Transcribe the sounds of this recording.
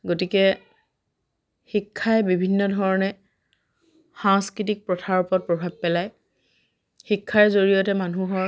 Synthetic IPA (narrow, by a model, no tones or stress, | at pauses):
ɡotikɛ | xikʰːajɛbibʱinːɔdʱɔɹɔnɛ | xãŋskɹitik̚pɹɔtʰaɹupɔt̚pɹɔbʱab̚pɛlaj | xikʰːaɹzoɹijɔtɛmanuɦɔɹ